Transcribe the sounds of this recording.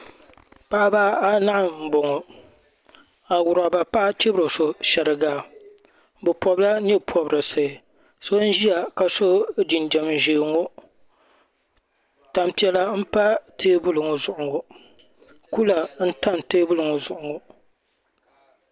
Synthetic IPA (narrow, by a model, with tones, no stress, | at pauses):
pa˦baː˦a˦na˦ʔ̩˨bo˨ŋo˨ | a˨wʊ˨ɾa˨ba˨pa˦t͡ʃe˦bɾo˨so˨ʃɛ˨ɾɨ˨ɡa˨ | bɨ˨pɔ˨bla˦ɲɛ˦pʰɔ˨bɾɨ˨sɨ˨ | so˦n̩˦ʒi˦ja˨ka˨so˦d͡ʒi˨nd͡ʒɛ˨mʒeː˨ŋo˦ | ta˨mpi˨ɛ˦la˦m̩˦pa˦tʰeː˦bʊ˦lɨ˨ŋo˨zʊ˨ʔʊ˨ŋo˨ | ku˦la˨n̩˦ta˦˨nteː˦bu˦lɨ˨ŋo˨zʊ˨ʔʊ˨ŋo˨